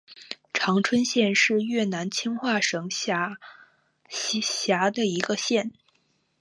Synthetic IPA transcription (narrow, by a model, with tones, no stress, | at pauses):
ʈ͡ʂʰɑ˧˥ŋʈ͡ʂʰwə˥nɕjɛ˥˧nʂɻ̩˥˧ɥna˧˥nt͡ɕʰi˥ŋxwa˥˩ʂɤ˧˥ŋ˥˧˥ | ɕja˧˥d̪ə˧i˧˥ɡə˧ɕjɛ˥˩n